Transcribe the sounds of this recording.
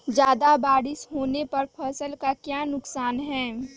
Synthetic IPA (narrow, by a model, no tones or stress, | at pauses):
d͡ʒjaːd̪abaːɾɪʃɦoːnepɐɾpʰəsəlkakjaːnʊksaːnɦɛː